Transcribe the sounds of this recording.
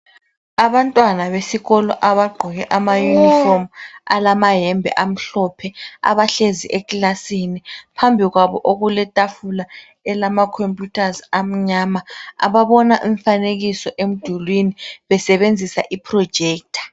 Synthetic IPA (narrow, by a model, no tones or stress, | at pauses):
aβantʼwanaβesiɣɔlɔ̰ʔaβaɡ͡ǃʱɔɣɛʔamajunifoma̰lamaɦɛmbʱɛ̰ʔam̩ɬɔpʰɛa̰βaɬeziʔɛkʼilasinipʰambʱiɣwaβɔʔoɣulɛtʼafula | ɛlamakʰompʼjutʰazam̩ɲamaa̰βaβɔnaʔɛɱfaneɣisɔʔem̩d̥ʱulwiniβɛsɛβend͡zʱisa̰ʔipʰrɔd̥d͡ʒ̥ʱeːk̚tʰḁ